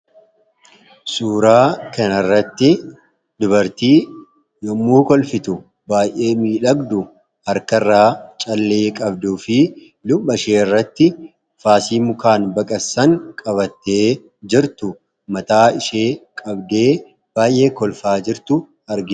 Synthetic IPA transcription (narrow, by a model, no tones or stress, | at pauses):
suːɾaːkɐnɐrːɐt̪ːɪ | d̪ʊbɐɾt̪iː | jɔmːuːkɔlfɪt̪ʊ | baːjʔe̞ːmiːᶑɐɡd̪ʊ | hɐɾkɐrːaːt͡ʃʼɐlːe̞ːkʼɐbd̪uːfɪ | lʊbːɐʃeːɪrːɐt̪ːɪ | faːsiːmʊkaːnbɐkʼɐsɐŋkʼɐβɐt̪ːeː | d͡ʒɪɾt̪ʊ | mɐt̪aːɪʃeːkʼɐbd̪e̞ː | b̥aːjʔe̞ːkɔlfaːd͡ʒɪɾt̪ʊ | ɐɾɡɪ